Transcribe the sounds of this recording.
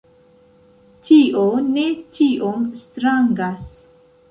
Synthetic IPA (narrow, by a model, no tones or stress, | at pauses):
t͡ʃiʔone̞t͡ʃiʔomstɾaŋɡas